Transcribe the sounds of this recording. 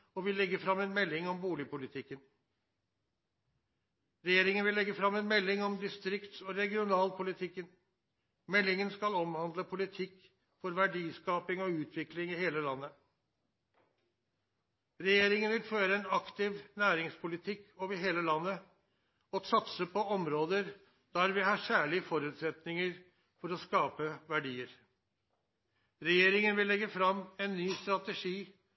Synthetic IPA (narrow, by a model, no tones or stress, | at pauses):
ɔʋɪlːɛɡːəfɾɑmɛnmɛlːɪŋɔmbuːlɪpʊlɪt̪ʰɪkːən | ɾɛjeːɾɪŋənʋɪlːɛɡːəfɾɑmːɛnmɛlːɪŋɔmd̪ɪst̪ɾɪkt̪ɔːɾɛɡɪʊnɑːlpʰʊlɪt̪ʰɪkːən | mɛlːɪŋənskɑlɔmhɑnd̪ləpʰʊlɪt̪ʰɪkː | fɔɾʋæɖiːskɑːpɪŋɔʉːt̪ʰʋɪklɪŋɪheːləlɑnːə | ɾɛjeːɾɪŋənʋɪlføːɾəɛnɑkt̪ɪʋnæːɾɪŋspʰʊlɪt̪ʰɪkːoːʋəɾɦeːləlɑnːə | ɔsɑt̪səpɔɔmɾoːd̪əɾ | d̪̥æɾʋɪhɑːsæːɭɪəfɔɾʉːt̪sɛt̪nɪŋəɾ | fɔɾɔskɑːpəʋæɖiːəɾ | ɾɛjeːɾɪŋənʋɪlːɛɡəfɾɑmɛnːyːst̪ɾɑt̪əʂiː